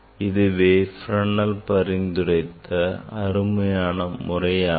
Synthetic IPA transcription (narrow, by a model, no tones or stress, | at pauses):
ɪðɯʋeːfɾɐɳːɐlpɐɾɪnd̪ɯrɐɪt̪ʰːɐɐɾɯmɐjaːnɐmʊrɐjaː